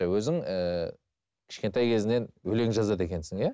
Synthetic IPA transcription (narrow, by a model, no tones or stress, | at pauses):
ɑwɵzɪŋə | kʲʰɪ̥ʃkʲe̞nt̪ɑjkʲʰe̞zɪne̞nwɵle̞ŋʒɑzɑd̪e̞kʲe̞nsɪŋjæ